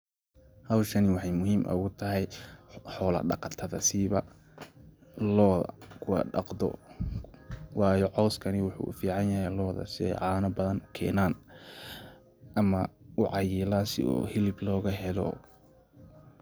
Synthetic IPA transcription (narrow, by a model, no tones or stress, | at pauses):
hɐwʃɐnɪwɑħɑjmʊɦiːmʔɐ̰ʊɣʊt̪ʰɐɦɛjħɔːlɐ̰ɖɑ̰qɑt̪ʰɐðɐsiβɐ | lɔːðɐ̰kʰʊwɑ̰ɖɑqd̪ɔ̰ | wɑːjɔʕɔːskʰɐnɪwʊħṵːfiːʕɑnjɐɦɛjlɔːðɐ̰sɪɛ̰jʕɑːnɐbɐðɐŋkʰɛ̰ːnaːn | ʔɐmɐʊʕɑjiːlaːsɪ̰ɔ̰ːhɪlɪblɔːɣɐɦɛlɔ̰